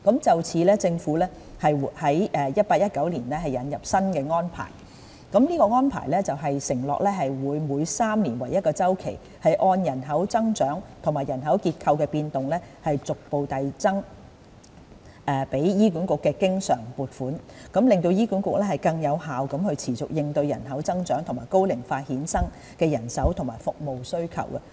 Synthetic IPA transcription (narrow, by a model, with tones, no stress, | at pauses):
kɐ˨˥mt͡sɐ˨wt͡sʰiː˨˧lɛː˥t͡sɪ˧ŋfuː˨˥lɛː˥ | hɐ˨jhɐ˨˥jʔɛː˧jɐ˥t̚paː˧k̚jɐ˥t̚kɐ˨˥wliː˨˩nlɛː˥ɦɐ˨jːɐ˨˥njɐ˨p̚sɐ˥nkɛː˧ŋɔː˥npʰa̰ː˨˩j | kɐ˨˥mniː˥kɔː˧ŋɔː˥npʰa̰ː˨˩jlɛː˥t͡sɐ˨wɦɐ˨jsɪ˨˩ŋlɔ̰ː˨k̚lɛː˥ɦɐ˨jwuː˨˧jmuː˨˧jsaː˥mliː˨˩nwɐ˨˩jːɐ˥t̚kɔː˧t͡sɐ˥wkʰḛ˨˩j | hɐ˨jʔɔː˧njɐ˨˩nɦɐ˨˥wt͡sɐ˥ŋt͡ʃœː˨˥ŋt̪ʰʊ˨˩ŋmaː˨˩jɐ˨˩nɦɐ˨˥wkiː˧t̚kʰɐ˧wkɛː˧piː˧nt̪ʊ˨ŋlɛː˥hɐ˨jt͡sʊ˨k̚po˨˧wt̪ɐ˨jt͡sɐ˥ŋ | ɛ˨pe˨˥jjiː˥ku˨˧˥nkʊ˨kːɛː˧kɪ˥ŋsœː˨˩ŋpuː˨˩t̚fuː˨˥n | kɐ˨˥mlɪ˨˧ŋt̪o˧wjiː˥kuː˨˥nkʊ˨k̚lɛː˥hɐ˨˩jkɐ˧ŋjɐ˨˧whaː˨wkɐ˨˥mhɵ˧ɥt͡sʰiː˨˩t͡sʊ̰˨k̚jɪ˨ŋt̪ɵ˧ɥjɐ̰˨˩nɦɐ˨˥wt͡sɐ˥ŋt͡ʃœː˨˥ŋt̪ʰʊ˨˩ŋmaː˨˩jko˥wlɪ˨˩ŋfaː˧t̚hiː˨˥nsɐ˥ŋ | kɛː˧jɐ˨˩nsɐ˨˥wt̪ʰʊ˨˩maː˨˩jfʊ˨k̚mo˨wsɵ˥ɥkʰɐ̰˨˩wkɐ˧